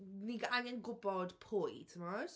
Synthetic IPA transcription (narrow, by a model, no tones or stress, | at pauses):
niɡanɛnɡʊbɔd̥pʰojtʰəmɔr